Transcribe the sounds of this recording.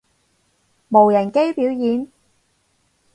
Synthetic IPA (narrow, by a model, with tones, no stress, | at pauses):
mo˨˩wjɐ˨˩nke˥jpiː˨˥wjiː˨˥n